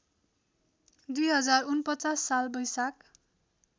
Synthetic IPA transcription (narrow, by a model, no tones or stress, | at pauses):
d̪ujɦʌd͡zarunpʌt͡sasːalbʌjsak̚